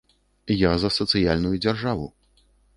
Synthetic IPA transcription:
jazɐsɐt̪sɨjalʲnujud͡zʲarʐavu

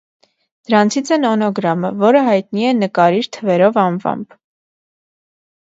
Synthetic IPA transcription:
d̪̥əɾɑnt͡sʰit͡sʰɛnɔnɔɡɾɑməvɔɾəɦɑjt̪niɛnəkɑɾiɾt̪ʰəvɛɾɔvɑnvɑ̰mb

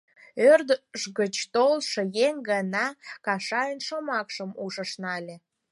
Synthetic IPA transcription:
ørd̪əʃɣət͡ɕt̪olʃəjeŋɡɑnɑkɑʃɑjənʃomɑkʃəmuʒəʃnɑlʲe

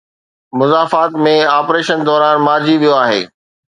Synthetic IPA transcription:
mʊzaːfaːt̪mẽaːpɾeːʃənd̪ɔːɾaːnmaːɾd͡ʑʱiʋijoaːɦḛː

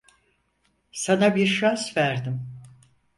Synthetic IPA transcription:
sanabiɾʃansvæɾd̪im

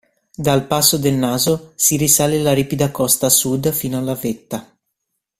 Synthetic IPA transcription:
d̪alpasːod̪elnaːzosiɾisaːlelaɾiːpid̪akɔst̪asud̪fiːnoalːavet̪ːa

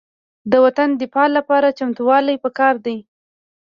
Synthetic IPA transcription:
d̪əwat̪and̪ɪfɑlapɑɾat͡ʃamt̪uwɑlajpəkɑɾd̪aj

